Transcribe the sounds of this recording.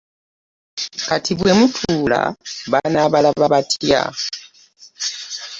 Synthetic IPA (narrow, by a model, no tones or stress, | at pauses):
katʰiβwemutʰuːla̰βanaβalaβaβatʰja̰